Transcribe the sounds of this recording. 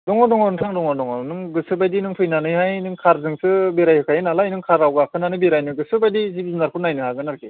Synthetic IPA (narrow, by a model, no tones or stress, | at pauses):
dɔŋɔdɔŋɔnɯŋtʰaŋdɔŋɔdɔŋɔnɯŋɡɯsɯbajdinɯŋpʰɯjnanɯjhajnɯŋkʰaɾzɯŋsɯbeɾajhɯkʰajɯnalajnɯŋkʰaɾawɡakʰɯnanɯjbeɾajnɯɡɯsɯbajdizibzɯnaɾkʰunajnɯhaɡɯnaɾkʰe